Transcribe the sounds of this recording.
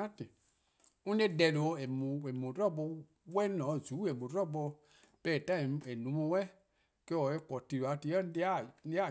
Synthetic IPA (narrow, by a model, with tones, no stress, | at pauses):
a˦ti˨ | ũ˦ne˦dɛ˨lo˨e˨mũ˨e˨mõ˨tɔ˦˨bo˧ | wɛ˦nɔ̃˨˦˨zu˨˦e˨mõ˨tɔ˦˨bɔ˧ | pɛ˦˨ta˦e˨e˨nũ˨˦mõ˧˦wɛ˦ | kɛ˦wɔ˨e˦kɔ˨ti˧ɾo˨a˨˧ti˧˦ɔ˦de˧˦a˦˨˦de˦a˦˨